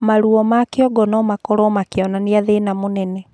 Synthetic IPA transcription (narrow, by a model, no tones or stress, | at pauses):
maɾuɔmakeɔɡɔnɔmakɔɾɔmakeɔnaniaðenamonɛnɛ